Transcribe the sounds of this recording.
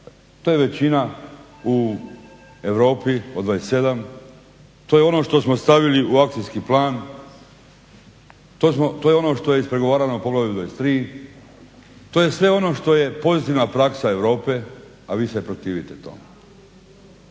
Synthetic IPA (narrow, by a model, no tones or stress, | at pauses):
t̪ojeʋe̞t͡ɕina | u | e̞ʋɾo̞ːpiod̪ʋajese̞d̪am | t̪ojeo̞no̞ʃt̪o̞smost̪aʋiliuakt̪ijskiplaːn | t̪osmot̪oːjeo̞no̞ʃt̪o̞jeispɾeɡo̞ʋaːɾanoopo̞ɡlaʋiod̪ʋajest̪ɾiː | t̪oːje̞sʋe̞o̞no̞ʃt̪o̞je̞po̞zit̪iːʋnapɾaksae̞ʋɾo̞ːpe | aʋiːsepɾot̪iːʋit̪et̪o̰ːm